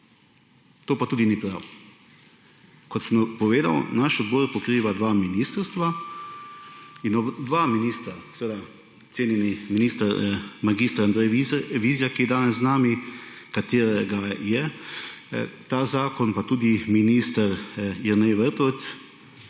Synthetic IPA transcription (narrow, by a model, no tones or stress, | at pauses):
t̪oːpat̪uːd̪inipɾa̰w | kɔt̪səmpɔʋeːd̪a̰wnaʃɔd̪bɔːɾpɔkɾiːʋad̪ʋaminiːst̪əɾst̪ʋa | inɔbd̪ʋaminiːst̪ɾasɛʋeːd̪a | t̪seːnjɛniminiːst̪əɾmaɡist̪ɾand̪ɾɛjiʋiːzijakijɛd̪aːnɛszznaːmikat̪eːɾɛɡajɛ | t̪aːzaːkɔnpat̪uːd̪iminiːst̪əɾjɛɾnɛjʋəɾt̪ɔt̪s